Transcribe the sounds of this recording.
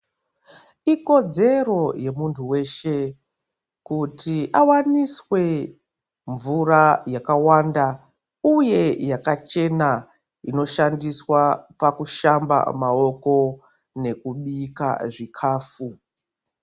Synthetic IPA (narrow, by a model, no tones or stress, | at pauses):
iko̞d͡ze̞ro̞je̞muntʰuwe̞ʃe̞ | kutiʔawaniswe̞ | ɱvuɾajakawanda | uje̞jakat͡ʃe̞na | ino̞ʃandiswapakuʃamba̰mao̞ko̞ | ne̞kuɓika̰ʐikʰaːfu